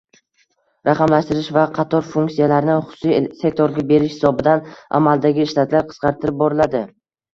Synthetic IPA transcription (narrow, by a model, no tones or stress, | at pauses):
ɾɑqɑmlaʃt̪ɪɾɪʃvaqʰɑt̪ʰɒɾfuŋkt̪sijalaɾnɪχʊsʊsijsek̚ʲt̪ʰoɾɡʲabe̞ɾɪʃhɪ̥sɒbɪd̪anʔa̰malˠd̪aɡʲɪːʃlat̪ʰlaɾqʰə̥sqɑɾt̪ʰɪɾɪp̚bɒɾɪlad̪ɪ